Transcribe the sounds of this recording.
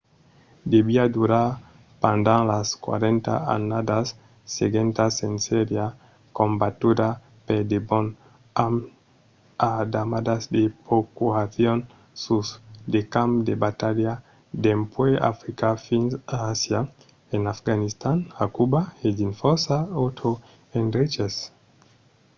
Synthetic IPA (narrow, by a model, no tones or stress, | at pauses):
d̪ebiad̪uɾaɾ | pand̪aŋlaskwa̰ɾent̪a̰a̰nad̪asː | eɡent̪asenseɾja | kombat̪ud̪a | ped̪ebon | am | ad̪amad̪azd̪epokuaθjon | susd̪ekamd̪ebat̪alja | d̪empwea̰fɾikafinaasja | enafɡanist̪anakubaedinfosaot̪ʰo | enret͡ʃes